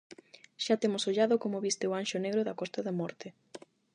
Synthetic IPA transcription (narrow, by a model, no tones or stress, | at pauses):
ʃat̪emʊsoʎaðokomoβist̪ɪoanʃoneɣɾoðɐkɔst̪ɐðɐmɔɾt̪ɪ